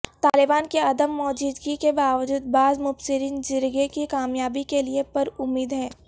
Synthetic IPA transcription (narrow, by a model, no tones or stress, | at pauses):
t̪aːlɪbaːnkeɐd̪əmːɔːd͡ʒiːd̪ɡikebaːʋəd͡ʒuːd̪̚baːzmʊbsɪɾiːnd͡ʒɪɾɡekikaːmjaːbikeliepɐɾʊmːiːd̪ɦɛ̃ː